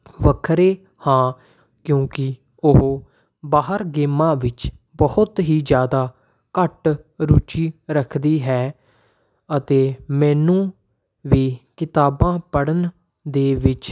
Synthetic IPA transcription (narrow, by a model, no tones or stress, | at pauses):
ʋəkʰɾeː | hãː | kjõːkɪ | ʊɦː | baːɦəɾɡeːmãːʋɪt͡ʃ | bəhʊt̪ɦiːd͡ʒjaːd̪aː | kəʈɾuːt͡ʃiːɾəkʰd̪iːɦɛː | ət̪eːmɛːnũː | ʋiːkɪt̪aːbãːpəɽən | d̪eːʋɪt͡ʃ